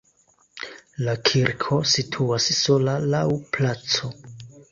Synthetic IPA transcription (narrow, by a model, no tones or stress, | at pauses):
lakʰiɾkʰo̞sitʰuasso̞lalawplat͡so̞